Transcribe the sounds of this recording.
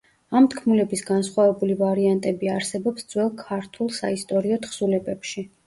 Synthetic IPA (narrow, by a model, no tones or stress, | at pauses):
amt̪ʰkʰmulɛbisɡansχwavɛbulivaɾiant̪ʼɛbiaɾsɛbɔpsd̪zwɛlˠkʰaɾt̪ʰulˠsa̰ist̪ʼɔɾiɔt̪ʰχsulɛbɛpʃi